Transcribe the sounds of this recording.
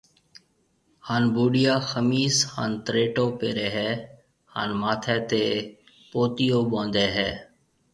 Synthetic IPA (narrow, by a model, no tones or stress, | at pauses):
haːnbuːɖɪjaːxəmiːsha̰ːnt̪ɾeːʈoːpeːɾeːɦɛː | ha̰ːnmaːt̪ʰɛːt̪eː | poːt̪ijoːɓõːnd̪eːɦɛː